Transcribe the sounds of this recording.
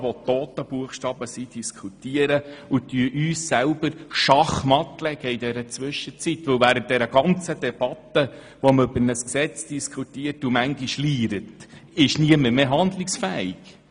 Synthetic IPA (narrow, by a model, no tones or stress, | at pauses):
ʋɔt̪oːtəb̥uəχʃtɑːbəsid̥iskʰutiəɾəut̪yəʔyːsːælbəɾʃɑχmɑtlɛɡ̥əidɛɾət͡sʋʏʃət͡sitʋɵwvæːɾən̩t̚d̥ɛɾəɡ̥ɑnt͡səd̪ɛb̥ɑt̪ːə | ʋɔməøbəɾnəsksɛt͡sd̥iskʰutiəɾtumæŋɡiʃliːɾətɪʃniəməɾmeːɦɑnd̪lɪksfæiɡ̥